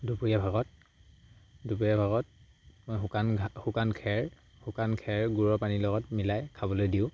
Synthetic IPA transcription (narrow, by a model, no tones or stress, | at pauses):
dupujabʱaɡɔt̚ | dubujabʱaɡɔt̚ | mojɦkanhukankʰɛɹ | hukankʰɛɹɡuɹɔpanilɔɡɔtmilajkʰabɔlojdiʊ̃